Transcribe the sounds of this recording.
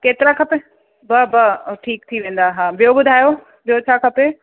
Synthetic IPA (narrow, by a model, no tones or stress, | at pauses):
keːt̪ɪɾakʰɐpe | bɐbɐʈʰiːk̚t̪ʰiʋẽːn̆d̪aɦãːbɪjobʊd̪ʱaːjo | bijot͡ɕʰaːkʰɐpe